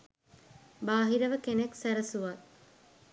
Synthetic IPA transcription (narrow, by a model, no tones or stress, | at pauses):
baːɦiɾəʋəkeneksæɾəsuʋat̪̚